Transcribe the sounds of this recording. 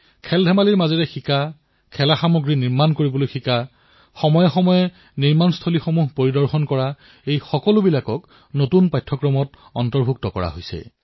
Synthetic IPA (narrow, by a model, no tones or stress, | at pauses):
kʰɛldʱɛmaliɹmazɛɹɛxika | kʰɛlaxamoɡɹiniɹmankoɹibɔlojxika | xɔmɔjɔxɔmɔjɛ | niɹmanstʰolixomuɦpoɹidɔɹxɔnkɔɹa | ejxɔkɔlʊbilakɔk | notunpajtʰːɔkɹɔmɔt | ɔntɔɹbʱuk̚tɔkɔ̰ɹa̰ɦojsɛ̰